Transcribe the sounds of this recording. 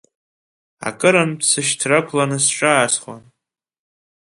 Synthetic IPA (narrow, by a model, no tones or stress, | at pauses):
a̰kʼɨɾanpʰsɨʃtʰrakʷʰlanɨsʃʷʼaːsχwan